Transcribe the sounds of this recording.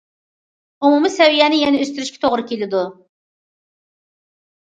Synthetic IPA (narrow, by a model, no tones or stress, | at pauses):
umumɨsɛwijɛnɪjɛnɛøst̪yɾyʃkʲʰɛ̥t̪ʰoʁɾɨkʲelɪd̪u